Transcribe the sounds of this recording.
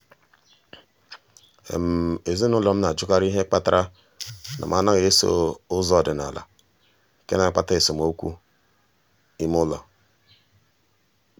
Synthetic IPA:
m˨e˨zi˦nʊ˦lɔ˨m̩˦na˨d͡ʒʊ˦ka˦ɾi˦ɦe˦k͡pa˦ta˦ɾa˦ | nʔa̰˨ma˨na˦ɣe˨e˦so̰˦ʊ˦zɔ˦˨dɪ˨na̰˨la̰˨ | ke˦na˨˦˨k͡pa˦ta˦ɪ˨so˨m˨o˦kʷṵ˦ | i˦m˦ʊ˦lɔ˨

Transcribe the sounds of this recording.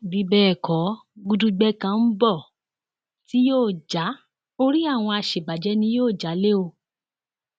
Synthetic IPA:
bi˨˦bɛː˦˨kɔ˨˦ | ɡu˧dũ˧ɡ͡bɛ˦kã˧n̩˦bɔ˦˨ | ti˦joː˦˨d͡ʒa˨˦ | o˦ɾi˦a˦˨w̃ɔ̃˧a˧ʃe˨ba˨d͡ʒɛ˨˦nĩ˦joː˦˨d͡ʒa˨˦le˦o˧

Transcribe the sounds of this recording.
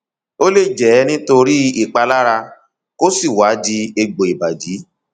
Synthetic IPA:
o˦le˦˨d͡ʒɛ˨˦nĩ˦to˧ɾi˦i˦˨k͡pa˧la˦ɾa˧ | ko˦si˦˨wa˨˦di˧e˧ɡ͡bo˨i˨ba˨di˨˦

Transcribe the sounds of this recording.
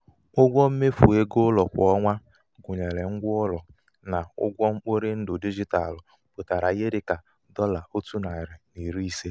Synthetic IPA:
ʊ˦ɡʷɔ˦m̩˦me˦fu˨e˦ɡo˦lɔ˨kʷɔ˦ŋʷa˦ | ɡʊ˨ɲe˨ɾe˨ŋ̩˦ɡʷʊ˦ʊ˦lɔ˨ | na˨ʊ̰˦ɡʷɔ˦ŋ͡m̩˦k͡po˦ɾe˦n̩˦dʊ˨di˦d͡ʒi˦ta̰˨l | k͡po˨ta˨ɾa˨ɣe˦ɾɪ˦ka˨ | dɔ˦la˨o˦tu˦na˨ɪ˨ɾɪ˨ni˨ɾi˦i˦se˦

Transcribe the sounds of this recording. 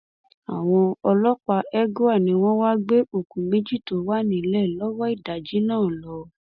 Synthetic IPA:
a˨w̃ɔ̃˧ɔ˧lɔ˦k͡pa˧ɛ˦ɡo˦a˦˨nĩ˨˦w̃ɔ̃˦wa˦ɡ͡be˦o˨kũ˨mẽ˦d͡ʒi˦to˨˦wa˦nĩ˨˦lɛ˦˨lɔ˦wɔ˦i˦˨da˨d͡ʒi˨˦nãː˦˨lɔ˧˦

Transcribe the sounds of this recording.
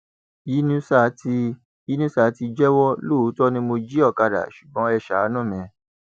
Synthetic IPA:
i˨˦nũ˦sa˦˨˦ti˧ | i˨˦nũ˦sa˦˨˦ti˧d͡ʒɛ˦wɔ˦lo˦˨˦tɔ˦nĩ˧˦mo˧d͡ʒi˦ɔ˦˨ka˧ɾa̰˨ʃu˨bɔ̃˨˦ɛ˧ʃa˨˦nũ˦˨mɛ̃˧˨

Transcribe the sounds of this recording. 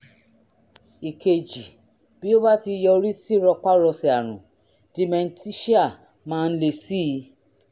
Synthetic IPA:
i˨kʰe˨d͡ʒi˨ | bi˦o˦ba˦ti˧jɔ˧ɾi˦si˦ɾɔ˧k͡pa˦ɾɔ˧si˨a˨ɾ̃ũ˨ | d̥i˨˦mɛ˧n̩˦ti˦ʃi˦a˦˨ | mãː˦˧n̩˦le˧˨si˦˧˦

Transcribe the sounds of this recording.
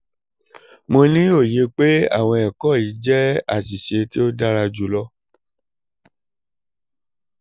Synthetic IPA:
mõ˧nĩ˦o˦˨je˧k͡pe˦a̰˦˨w̃ɔ̃˧ɛ˨kɔ˦˨i˨˦d͡ʒɛ˦a̰˦˨si˨ʃe˧ti˦o˦da˦ɾa˧d͡ʒu˨˦lɔ˦

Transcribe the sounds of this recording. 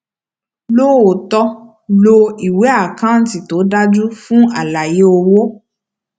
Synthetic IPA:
lo˦o˨tɔ˧ | lo˧i˨we˨˦a˦˨kã˦n̩˦ti˨to˨˦da˦d͡ʒu˦fũ˦a˦˨la˨je˨˦o˧wo˦

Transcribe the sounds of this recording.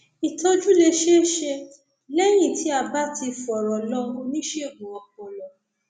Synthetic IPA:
i˨to˧d͡ʒu˦le˧ʃe˦ʃe˧ | lɛ˦j̃ĩ˦˨ti˨˦a˨ba˦ti˧fɔ˨ɾɔ˨lɔ˦ũ˧nĩ˦ʃe˦o˨ɡũ˨ɔ˨k̚ɔ̃˨lɔ˧

